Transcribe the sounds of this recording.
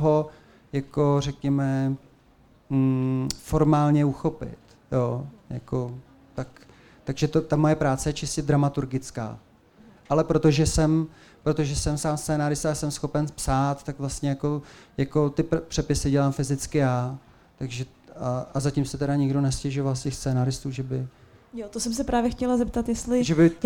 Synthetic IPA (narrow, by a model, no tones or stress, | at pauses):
ɦo | jako̞r̝ɛkɲɛmɛ | fo̞ɾmaːlɲɛuxo̞pɪ̰t̪ | joːja̰ko̞ | t̪ak | t̪aɡʒɛt̪ot̪amo̞jɛpɾaːt͡sɛjɛt͡ʃɪscɛd̪ɾamat̪uɾɡɪt͡ska̰ː | ʔalɛpɾo̞t̪o̞ʒɛsɛm | pɾot̪oʒɛsɛmsaːmst̪t͡sɛːnaɾɪst̪aasɛmsxo̞pɛnspsaːt̪ːakvlast̪ɲɛjako̞jako̞t̪ɪppr̥ɛpɪsɪɟɛlaːmfɪzɪt͡skɪjaː | t̪aɡʒɛ | aʔazacɪmsɛt̪ɛɾaɲɪɡdo̞nɛscɛʒovalscɛxst͡sɛːnaɾɪst̪uːʒɛbɪ | jot̪osɛmsɛpɾaːvjɛxcɛlazɛp̚t̪at̪jɛst̪lɪʒɛbɪ